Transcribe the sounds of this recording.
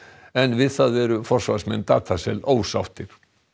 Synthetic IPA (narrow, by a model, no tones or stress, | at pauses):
ɛnvɪðθaðvɛːɾʏfɔr̥svaɾsmɛnːt̪a̰ːt̪ʰasɛloːwsa̰wft̪ɪɾ̥